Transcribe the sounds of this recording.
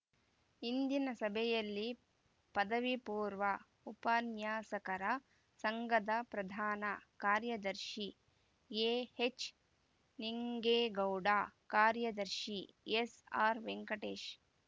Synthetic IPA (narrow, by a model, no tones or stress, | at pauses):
ind̪inɐsɐbʱɛjɐlːi | pɐd̪ɐʋipuːɾʋɐ | upɐnjaːsɐkɐɾɐ | sɐŋɡɐd̪ɐpɾɐd̪ʱaːnɐkaːɾjɐd̪ɐɾʃi | eːhet͡ʃ | niŋɡeːɡɐwɖaːkaːɾjɐd̪ɐɾʃiesaːɾʋeŋkɐʈeːʃ